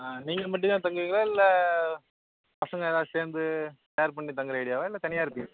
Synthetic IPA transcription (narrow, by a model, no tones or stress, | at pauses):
niːŋɡɐmɐʈ̬ːɯ̃t̪aːt̪̬ɐŋɡɯʋiːŋɡɐɭaːɪlːɐ | pɐsɐŋɡɐɛðaːseːɾnd̪ɯsɐjːɾpɐɳːit̪ɐŋɡɯɾɐɪɽɪjaːʋɐɪlːɐt̪ɐɳɪjaːɪɾɯpːɪŋɡɐ